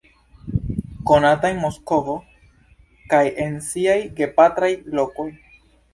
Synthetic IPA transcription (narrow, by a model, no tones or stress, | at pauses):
ko̞natajmo̞sko̞vo̞ | kaje̞nsiajɡe̞pat̪ɾajlo̞ko̞j